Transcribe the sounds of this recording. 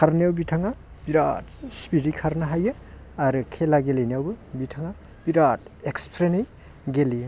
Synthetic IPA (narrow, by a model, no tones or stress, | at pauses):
kʰaɾniawbitʰaŋa | b̥iɾa̰t̚spiɾikʰaɾnɐɦajɯ | aɾɯkʰelaɡeleniawbɯbitʰaŋa | b̥iɾat̚ekspʰɾenej | ɡeli